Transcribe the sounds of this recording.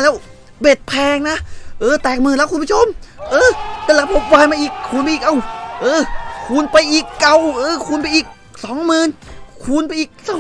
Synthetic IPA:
lɛː˦˥w | be˨˩t̪̚pʰɛː˧ŋna˦˥ʔʔɤː˧˩t̪ɛː˨˩k̚mɯː˨˧˩lɛː˦˥wkʰu˧pːʰo˧˥˩mʔɤː˧t̪aː˧˩lɛː˦˥pʰo˧˦˥p̚waː˧jmaː˧ʔiː˨˩k̚kʰuː˧˩npa˧ʔiː˨˩kʔa˧˩wʔɤː˧˩kʰuː˧˩npa˧jʔiː˨˩kːa˧wʔɤː˧˩kʰuː˧npa˧jʔiː˨˩k̚ | sɔː˨˦ŋmɯː˨˧˩nkʰuː˧npa˧˦jʔiː˨˩k̚sa˧˩

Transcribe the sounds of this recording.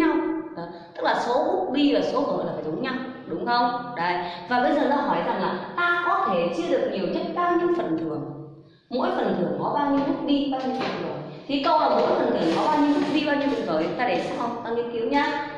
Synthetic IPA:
a˧wŋ͡mɗɔ˨˦t̪ɨ˦˥k̚laː˨˩so˨˦ʔʊ˦˥k͡p̚ɗi˧ʔəː˨˩so˨˦ɨ˧˩m˨laː˨˩a˧˩o˨˦ŋ͡mɲa˧wŋ͡m | ɗʊ˨˦ŋ͡mxə˧wŋ͡mɗə˨˦jvaː˨˩ɓə˧jzəː˨˩t̪aː˧ɦɔ˧˩jza˨˩ŋlaː˨˩t̪aː˧kɔ˨˦t̪ʰe˧˩t͡ɕɨ˧əɗɨ˨˩ək̚ɲi˨˩əwɲə˦˥t̚ɓaː˧wɲi˧əwfə˨˩nt̪ɨ̰˨˩əŋ | mo̰˧˥jfə˨˩nt̪ʰɨ˧˩əŋkɔ˨˦ɓaː˧wɲi˧əwmʊ˦˥k͡p̚ɗi˧ɓaː˧wɲi˧wfə̰˨˩t̪ʰo˨˩əj | t̪ʰi˨˩kə˧˩waː˨˩mo̰˧˥jfə˨˩nt̪ɨ˧˩əŋkɔ˨˦ɓaː˧wɲi˧əwmʊ˦˥k͡p̚ɗi˧ɓaː˧ɲi˧wfɨ̰˧˨˩nvə˨˩˨t̪aː˧ɗe˧˩sa˦˥k̚hə˧wŋ͡mt̪aː˧ŋi˧˦ki˨˦əwɲaː˧

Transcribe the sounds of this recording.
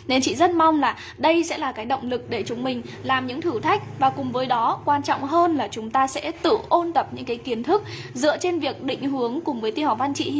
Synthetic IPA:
ne˧nt͡ɕḭ˧˨zə˦˥t̚ma˧wŋ͡mlaː˨˩ | ɗə˧jsɛ̰˧˥laː˨˩kaː˨˦jɗə̰˧˨wŋ͡mlɨ˨˩k̚ɗe˧˩t͡ɕʊ˨˦ŋ͡mmï˨˩ŋ̟ | laː˨˩mɲɨ̰˧˥ŋt̪ʰɨ˧˩t̪ʰa˦˥jk̟̚vaː˨˩kʊ˨˩ŋ͡mvəː˨˦jɗɔ˨˦kwaː˧nt͡ɕɔ̰˧˨wŋ͡mɦəː˧nlaː˨˩t͡ɕʊ˨˦ŋ͡mt̪aː˧sɛ̰˧˥t̪ɨ̰˧˨ʔo˧nt̪ə˨˩p̚ɲɨ̰˧˥ŋkaː˨˦jki˨˦ənt̪ʰɨ˦˥k̚zɨ̰˧˨ət͡ɕe˧nvi˨˩ək̚ɗḭ̈˧˨ŋ̟ɦɨ˨˦əŋkʊ˨˩ŋ͡mvəː˨˦jt̪i˧hɔ˨˩va˧nt͡ɕḭ˧˨˧

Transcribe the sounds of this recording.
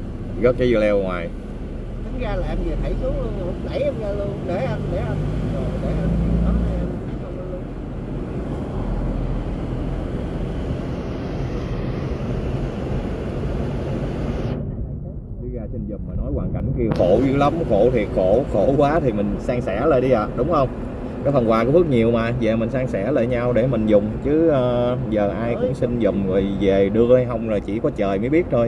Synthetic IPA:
ɣɔ˦˥t̚ki˨˦zɨ˨˧˩lɛ˧wŋwaː˨˩j | k̪a˨˦ŋɣaː˧laː˨ʔa˧nzəː˨˩t̪ʰə˧˩˦jsu˨˦lu˧ən˧˩ʊ˨˧˦ŋ͡mla˧˩jʔa˧mɣaː˧lu˧ənɗe˧˩ʔa˧nɗe˧˩ʔa˧n˨zo˨˩jɗe˧˩ʔa˧n˧˩ɗɔ˨˦ɗa˨˧˩ʔa˧˩˦t̪ʰa˨˧˩jə˧a˧lu˧ən˧˨˩ | a˨˧˩ | ɔ˨˦˥ɗi˧ɣaː˧˩t͡ɕï˨˩ŋ̟zɨ˨˩t̚maː˨˩nɔ˨˦jkwaː˨˩nka˧˩jŋ̟ki˧əxo̰˧˩zɨ˧˦la˨˦mxo̰˧˩t̪ʰi˨˩t̚xo̰˧˩xo̰˧˩˥kwaː˨˦t̪ʰi˨˩mï˨˩ŋ̟saː˧ŋsɛ̰˧˩˥lə˧˨˩ɗi˧ʔəː˨˩ɗʊ˨˦wŋ͡mhə˧wŋ͡m | kɔ˨˦fə˨˩ŋkwaː˧˩kɔ˨˦fɨ˦˥k̚ɲi˨˩əwmaː˨˩ze˨˩mï˨˩ŋ̟saː˧ŋsɛ̰˧˩lə̰˧˨˩ɲaː˧wɗe˧˩mï˨˩ŋ̟zʊ˨˩ŋ͡mt͡ɕɨ˨˦əː˨˩zəː˨˩ʔaː˧jkʊ̰˧˥ŋ͡msï˧ŋ̟zə˨˩ŋ͡mzo˨˩jve˨˩ɗɨ˧əha˧jɦə˧wŋ͡mla˨˩t͡ɕḭ˧˩kɔ˨˦t͡ɕəː˨˩jməː˨˦ɓi˦˥ət̚t̪ʰo˧j

